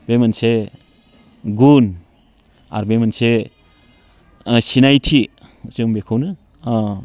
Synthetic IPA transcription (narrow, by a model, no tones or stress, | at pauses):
b̥emanse | ɡun | a̰ɾbemanse | sinajtʰi | usɯmbekʰawnɯ